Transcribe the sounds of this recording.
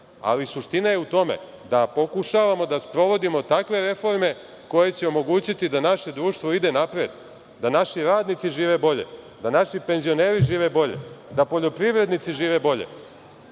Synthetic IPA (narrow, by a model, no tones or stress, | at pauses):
a̰lisuʃt̪inajeut̪o̞me̞̰ | d̪apo̞kuʃaʋamo̞d̪aspɾo̞ʋo̞d̪imo̞t̪akʋe̞ɾe̞fo̞ɾme̞ | ko̞je̞t͡ɕe̞o̞mo̞ɡuːt͡ɕit̪id̪anaʃe̞d̪ɾuːʃt̪ʋo̞id̪e̞napɾed̪ | d̪anaʃiɾaːd̪nit̪siʒiːʋe̞bo̞ʎe̞̰ | d̪anaʃipenzio̞ne̞ːɾiʒiːʋe̞bo̞ʎe̞̰d̪apo̞ʎo̞pɾiʋɾe̞d̪nit̪siʒiːʋe̞bo̞ʎḛ